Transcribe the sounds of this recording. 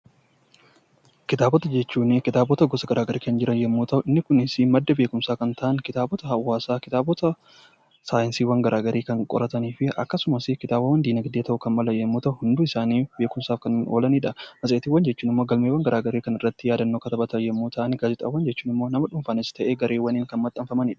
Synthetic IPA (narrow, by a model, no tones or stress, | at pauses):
kɪt̪aːbɔt̪ɐd͡ʒɛt͡ʃːuːnɪkɪt̪aːbɔt̪ɐɡɔsɐɡɐɾʔaːɡɐɾiːkɐnd͡ʒɪɾɐnjɛmːuːt̪ɐʔʊɪnːɪkʊnɪsɪmɐd̪ːɐbe̞ːkʊmsaːkɐnt̪ɐʔɐnkɪt̪aːbɔt̪ɐɦɐwːaːsaːkɪt̪aːbɔt̪ɐ | saːjɪnsiːwɐŋɡɐɾʔaːɡɐɾʔiːkɐŋkʼɔ̰ɾʔɐt̪ɐniːfɪɐ̰kːɐsʊmɐsɪkɪt̪aːbɐwɐnd̪iːnɐɡd̪eːt̪ɐʔʊkɐnmɐlɐjɛmːuːt̪ɐʔʊhʊnd̪uːɪsaːniːbe̞ːkʊmsaːfkɐnoːlɐniːᶑɐmɐsʼeːt̪ɪwːɐnd͡ʒɛt͡ʃːuːnɪmːo̞ːɡɐlmewɐnɡɐɾʔaːɡɐɾeːkɐnɪrːɐt̪ːɪjaːd̪ɐnːoːkɐt̪ɐbɐt̪ɐjɛmːuːt̪ʰɐʔɐnɡaːzɛt̪ʼɐwɐnd͡ʒɛt͡ʃːuːnɪmːo̞ːnɐmɐᶑʊɱfanɪsɪ̥t̪ɐʔeːɡɐɾʔeːwɐniːŋkɐnmɐt̪ʼːɐɱfɐmɐniːᶑɐ̥